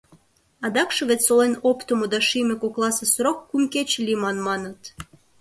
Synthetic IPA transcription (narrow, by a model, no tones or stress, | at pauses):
ɑd̪ɑkʃɤ̆βet̪solenopt̪omod̪ɑʃimʲekoklˠɑsesɾokːumket͡ɕlʲimɑnmɑnə̆t̪